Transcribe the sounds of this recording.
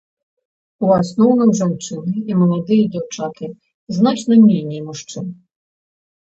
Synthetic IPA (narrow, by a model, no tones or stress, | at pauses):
uasnɔwnɐmʐant͡ʂɨnɨimɐlˠad̪ɨjɐd͡zʲawt͡ʂak̪ɨ | znat͡ʂnɐnʲejnʲijmuʂt͡ʂɨn